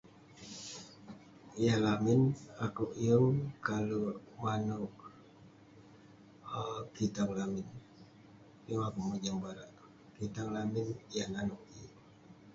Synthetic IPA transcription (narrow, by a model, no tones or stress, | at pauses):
ijalaminakuʔjəŋkalumanuʔ | kit̪aŋlamin | juŋakuʔməd͡ʒaŋbaɾaʔ | kit̪aŋlaminijananuʔiŋ